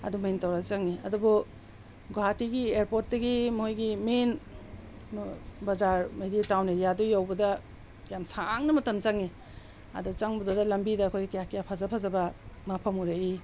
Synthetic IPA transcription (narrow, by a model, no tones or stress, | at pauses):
ɐ̰dumentawɾalt͡ʃaŋniɐ̰dubu | ɡoɦatiɡieɾpot̚dɐɡimɔhojɡimenː | bɐzaɾmejditawnidijadujawbɐdɐ | jamsʰaŋnɐmɐtɐmt͡ʃaŋni | ɐ̰dut͡ʃaŋbɐdudɐlɐmbidɐːkʰojɡitjakijapʰazapʰazɐbɐmapʰɐmuɾei